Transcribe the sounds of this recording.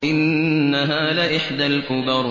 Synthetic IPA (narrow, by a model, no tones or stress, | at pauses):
ʔɪnːaɦaːlɪʔɪħd̪alkʊbɑɾˤ